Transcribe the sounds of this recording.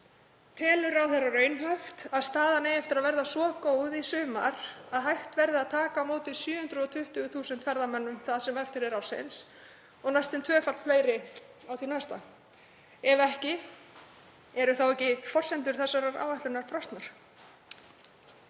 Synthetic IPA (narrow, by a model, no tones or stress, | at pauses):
t̪ʰɛːlʏɾawθɛrarœːɥnɦœft̪aðst̪aːðanejɛft̪ɪɾaðvɛɾðasɔkoːwðisʏːma̰ɾaðɦajht̪vɛɾðɪaðt̪ʰaːkamoːt̪ɪðsjʏːhʏnt̪ɾʏɔt̪ʰʏht̪ʏθuːsʏnt̪ʰfɛɾðamɛnːʏmθaðsɛmɛft̪ɪɾɛɾawsɪ̰ns | ɔɣnajst̪ɪnt̪ʰvœːfal̥t̪fleːjɾɪ | awθinajst̪a̰ | ɛvɛhcɪ | ɛɾʏθawɛhcɪfɔr̥sɛnt̪ʏɾ̥θɛsːaɾaɾa̰ːwvaht̪lʏnaɾ̥pʰɾɔst̪naɾ̥